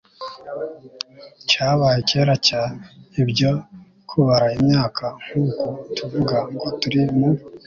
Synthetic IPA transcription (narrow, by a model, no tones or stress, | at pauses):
caːβajeceɾacaibɟo̞ | kʰuβaɾaimɲaːkʰaŋ̥uːkotʰuvuɡaŋɡotuɾimu